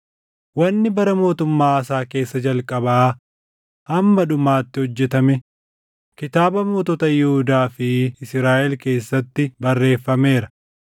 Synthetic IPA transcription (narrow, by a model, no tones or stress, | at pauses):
wɐnːɪbɐɾɐmo̞ːt̪ʊmːaːɐsaːke̞ːsːɐd͡ʒɐlkʼɐbɐaː | hɐmːɐᶑʊmaːt̪ːɪhɔd͡ʒːɛt̪ɐmɛ | kɪt̪aːbɐmoːt̪ɔt̪ɐjɛhʊd̪aːfɪɪsɾaːʔɛlke̞ːsːɐt̪ːɪbɐrːe̞ːfːɐme̞ːɾɐ